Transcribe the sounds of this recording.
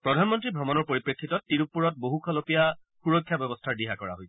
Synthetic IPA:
pɹɔdʱanmɔntɹibʱɹɔmɔnɔɹpoɹipɹekʰːitɔtːiɹup̚ːuɹɔt̚boɦukʰɔlopija | xuɹɔkʰːjabɔbɔstʰaɹdiɦakɔɹa̰ɦojsɛ̥

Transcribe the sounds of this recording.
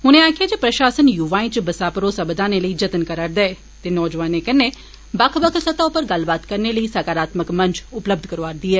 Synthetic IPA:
ɦʊnẽaːkʰɪaːd͡ʒepɾəʃaːsənjuʋaːĩt͡ʃbəsaːpəɾoːsəbd̪aːneləiːd͡ʒət̪ənkəɾaːɾd̪ɛː | t̪enɔːd͡ʒʋaːnekəne | bəkʰbəkʰt̪sət̪aːupəɾɡəlbaːt̪kəɾneːləiːsakaːɾaːt̪məkmə̃ɲd͡ʒʊpləb̚d̪ʱkəɾʋaːɾd̪iːɛː

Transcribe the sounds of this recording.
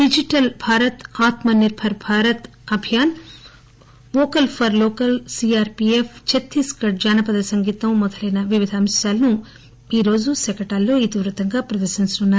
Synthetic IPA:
ɖid͡ʒiʈɐlbʱaːɾɐt̪aːt̪mɐniɾbʱɐɾbʱaːɾɐt̪ | ɐbʱijaːn | ʋoːkɐlpʰɐɾloːkɐlsiaːɾpieft͡ʃet̪ːiskɐʈ̚d͡ʒaːnɐpɐd̪ɐsɐŋɡiːt̪ɐmmɔd̪ʱɐlɐjnɐʋiʋid̪ʱɐːmsjaːlɐnu | iːɾo̞ːd͡ʒusɛkɐʈaːlːo̞ːit̪iʋɾɐt̪ɐŋɡaːpɾɐd̪ɐɾʃinst̪unːaːɾ

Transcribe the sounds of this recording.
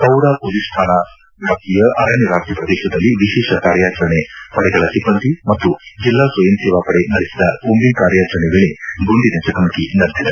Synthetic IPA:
kɐwɽaːpolisʈ̪ʰaːnɐ | d̪ʰʱak̚t̪ijɐʔɐɾɐniɾaːt̪ɾɐpɾɐd̪eːʃɐd̪ɐlːiʋiʃɛːʃɐkaːɾjaːt͡ʃɐɾɐɳepɐɽɛɡɐɭɐsibɐnt̪imɐt̪ːud͡ʒilːaːsʋɐjɐmseːʋaːpɐɽenɐɾisid̪ɐkombinkaːɾjaːt͡ʃɐɾɐneʋeːɭeɡuɳɖinɐt͡ʃɐt̪ɐmɐkinɐɾd̪ʱjid̪e

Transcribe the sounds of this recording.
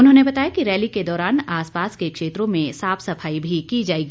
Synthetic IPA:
ʊnɦõnebɐt̪aːjakiɾɛːliked̪ɔːɾaːnaːspaːskekʃeːt̪ɾõmẽsaːpsɐpʰaːibʱikid͡ʒaːeːɡiː

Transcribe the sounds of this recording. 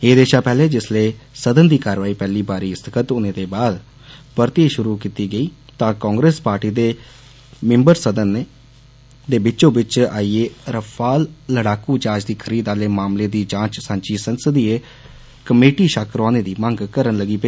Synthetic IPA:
eːd̪eːʃaːpɛːleːd͡ʒɪsleːsəd̪ənd̪iːkaːɾʋaːiːpɛːliːbaːɾiːɪst̪ʰəkʰət̪ʊnẽːd̪eːbaːd̪ | pəɾt̪iʃʊɾuːkiːt̪iːɡəiːt̪ãːkɔ̃ːŋɡɾeːspaːɾʈiːd̪eː | mɪ̃mbəɾsəd̪əneː | d̪eːbɪt͡ʃõːbɪt͡ʃaːiːeːɾəpʰaːlːəɽaːkuːd͡ʒãːt͡ʃd̪iːkʰəɾiːd̪aːleːmaːmleːd̪iːd͡ʒãːt͡ʃsãːnt͡ʃiːsənsəd̪iːeː | kəmeːʈiːʃaːkɾaːneːd̪iːmə̃ŋɡkəɾənləɡiːpe

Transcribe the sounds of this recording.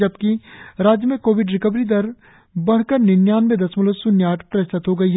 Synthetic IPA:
ɐb̚kiɾaːd͡ʒjəmẽkoːʋɪɖɾɪkəbɾid̪ɐɾ | bɐɽ̤kəɾnɪnjaːnmẽd̪ɐsmʊləsʊnjaːʈʰpɾɐɪʃt̪ət̪ɦoɡɐiɦɛ

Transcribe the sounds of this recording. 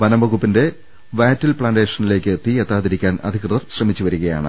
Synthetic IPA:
ʋɐnɐmbɐɣupːinde̞ | ʋaːtːilpɭaːnde̞ːʂɐnile̞ːkʲːɨt̪ːiet̪ːaːðiɾikʲːaːnɐ̰d̪ʱikrɨðɐrɕrɐmit͡ɕːuʋɐɾuɣɐja̰ːɳɨ̰

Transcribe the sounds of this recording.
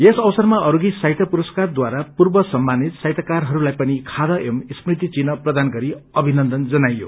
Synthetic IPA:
esʌbʌsʌrmaʌɾuɡisajt̪ʰʌpuɾʌskard̪waɾapurbʌsʌmːanit̪sajt̪ʰʌkarɦʌɾulajpʌnikʰad̪ʌʔemisprit̪it͡sinʌprʌd̪anɡʌɾiʌbʱinʌnd̪ʌnd͡zʌnajo̰

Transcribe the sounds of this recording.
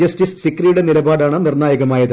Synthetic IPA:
ɐstissikːrijuɽenilɐbaːɽaːɳɨnirnaːjɐɣɐmaːjɐð

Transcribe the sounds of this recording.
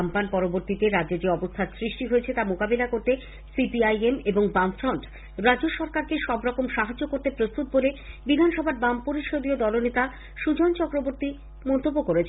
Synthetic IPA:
ampanpɔɾoboɾt̪it̪eɾad͡ʑːed͡ʑeɔbost̪ʰasɾiʃʈiɦoet͡ɕʰet̪amokabelakoɾt̪e | sipiajemeboŋbamfɾɔɳʈ | ɾad͡ʑoʃɔɾkaɾkeʃɔbɾɔkomʃaɦad͡ʑːokoɾt̪epɾost̪ut̪̚bolebid̪ʱanʃɔbʱaɾbampoɾiʃod̪iod̪ɔlonet̪a | ʃud͡ʑont͡ɕɔkɾoboɾt̪i | mɔnt̪obːokoɾet͡ɕʰ

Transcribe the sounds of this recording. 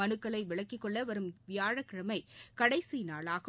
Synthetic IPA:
ɐnɯkːɐɭɐɪʋɪɭɐkːɪkːɔɭːɐʋɐɾɯmʋɪjaːɻɐkːɪɾɐmɐɪkɐɽɐɪsinaːɭaːɣɯ

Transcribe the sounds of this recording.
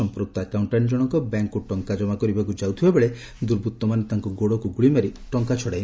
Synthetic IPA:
ɔmpɾuk̚t̪akawɳʈand͡ʒɔɽ̃ɔŋkɔbaŋkːuʈɔŋkad͡ʒɔmakɔɾibakud͡ʒawt̪ʰibabeɭe | d̪uɾbʱut̪ːɔmanet̪aŋkɔɡoɽɔkuɡuɭimaɾiʈɔŋkat͡ʃʰɔɽaj

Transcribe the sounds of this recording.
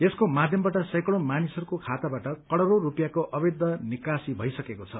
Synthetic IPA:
eskomad̪ʱjʌmbaʈʌsʌjkʌɽ̃omanisʌɾukokʰat̪abaʈʌkʌɽʌɾoɾupjakoʔʌbed̪ʱːʌnikasibʱʌjsʌkekot͡sʰʌ

